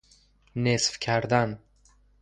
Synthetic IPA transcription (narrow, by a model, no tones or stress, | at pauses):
nesfkʲʰæɾd̪æn